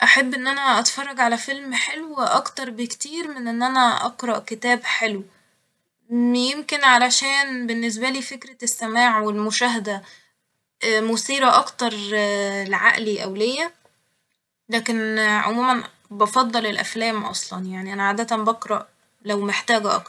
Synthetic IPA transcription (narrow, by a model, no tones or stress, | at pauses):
ʔæħabːʔenːʔænæʔɑt̪fɑrˤːɑɡʕalæfelmħelwʔɑkt̪ɑɾˤbekt̪iːɾmenʔenːʔænæʔɑqɾˤɑʔket̪æːbħelw | jemkenʕalæʃæːnbenːes̬bæliːfekɾæsːæmæːʕwelmoʃæːɦæd̪æ | mosiːɾɑʔɑkt̪ɑɾˤlʕaʔliʔæwlejːæ | læːkenʕo̰muːmæn | bɑfɑd̪ˤːɑlelʔæ̰flæːmʔɑ̰sˤlɑnjaʕniʔænæʕaːd̪æt̪æmbɑqɾˤɑʔ | læwmeħt̪æːɡæʔɑ̰k̚